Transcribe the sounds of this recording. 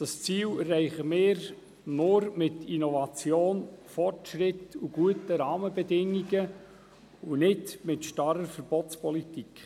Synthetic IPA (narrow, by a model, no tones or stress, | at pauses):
d̥ɑst͡siːlɛrːɛɪχəmɪːɾ | nʊɾmɪtinɔvɑt͡sjoːnfɔrtʃɾɪtuɡ̥uətəɾɑːməbɛdɪŋːiɡə | unɪdmɪtʃtɑɾəɾfəɾb̥ɔtt͡spʰɔlitikχ